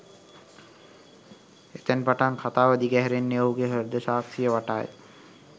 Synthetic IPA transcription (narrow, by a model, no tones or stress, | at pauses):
et̪ænpaʈaŋkʰat̪aːʋəd̪iɡɛɦɛɾenːeoɦuɡeɦəɾd̪əʃaːksijəʋaʈaːjə̰